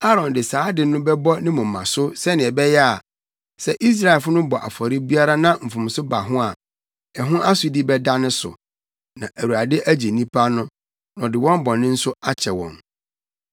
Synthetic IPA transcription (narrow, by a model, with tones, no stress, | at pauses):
a˦ɾɔ̃˨ndɪ˨saː˨˦dɪ˨nʊ̃˦bɛ˦bɔ˦nɪ̃˦mʊ̃˨m̩ː˨ã˨sʊ˦sɛ˦nɪ̃˨ɛ˨bɛ˦jɛ˦a˨ | sɛ˦˨ʔi˦s̬ɾa˨fʊ˦nʊ̃˦bɔ˨ʔa̰˨fɔ˨ɾɪ˦bi˦a˦ɾa˦nã˦m̩˨fʊ̃˨m˨sʊ˦ba˨ɦʊ̃˦a˨ | ɛ˨ɦʊ̃˦ʔa˦sʊ˨di˦bɛ˦da˦nʊ̃˦sʊ̰˨ | nã̰˨ʔæ˨wu˨a˨dɪ˦ʔæ˦d͡ʑe˨nĩ˦pʰa˦nʊ̃˦ | nɔ̃˨dɪ˨wɔ̃˦m˦bɔ˨nɪ̃˦n̩˦sʊ˦a˦t͡ɕʰɛ˨wɔ̰̃˨n